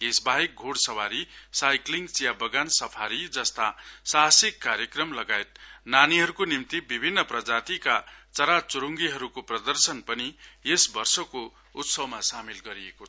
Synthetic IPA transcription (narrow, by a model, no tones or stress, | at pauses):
esbʱaɦek̚ɡʱoɽsʌwaɾisajkliŋɡsijabʌɡansʌpʰaɾid͡zʌst̪asasikːaɾjʌkrʌmlʌɡaet̪̚naniɦʌɾukonimt̪ibibʱinːʌprʌd͡zat̪ikat͡sʌɾat͡suɾuŋɡiɦʌɾukoprʌd̪ʌrsʌnpʌniesbʌrsʌko | ut̪sʌwmasamilɡʌɾiekoʌ